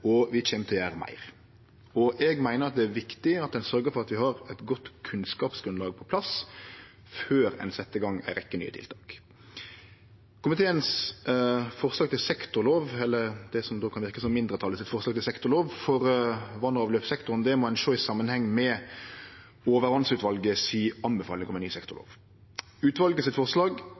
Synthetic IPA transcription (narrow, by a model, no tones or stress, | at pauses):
ɔʋɪçeːmt̪ʰɪljæːʁmæ̰ɪʁ | ɔʔɛɡmæɪnəɾɑt̪̚d̪ɛæɾʋɪkt̪ɪɑt̪̚d̪ɛnsœɾɡəɾfɔʁɑt̪ʋɪhɑɾɛt̪ɡɔt̪ːkʰʉnskɑːpsɡɾʉnlɑːɡ̚pʰɔpʰlɑs | føːɾɛ̰ɪnsɛt̪ːəɡɑŋːæ̰ɪɾɪ̰kːəny̰ːət̪ʰɪ̰lt̪ʰɑːk | kʰʊmɪt̪ʰeːəns | fɔɾslɑːɡt̪ʰɪlsɛkt̪ʊɾloːʋɛlːəʁd̪̥ɛsɔmd̪oːkʰɑnʋɪɾʁkəsɔmːɪnd̪ʁət̪ʰɑːləsɪt̪fɔʁslɑɡ̚t̪ɪlsɛkt̪ʊʁloːʋfɔʁʋɑnɑːʋløːpsɛkt̪ʊɾnd̪ɛmɔæɪnʃoːɪsɑmːənhɛŋːmɛ | oːʋəʁʋɑnsʉːt̪ʋɑlɡəsiːɑnbɛfɑːlɪŋəkɔmənyːsɛkt̪ʊʁlo̰ːʋ | ʉːt̪ʋɑlɡəsɪt̪fɔʁslɑːɡ